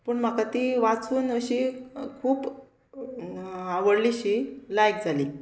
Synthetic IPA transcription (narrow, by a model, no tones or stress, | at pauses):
pəːɳm̤əkat̪iːʋat͡suːnəɕikʰuːp | aʋəɽliɕilajk̚d͡zʱali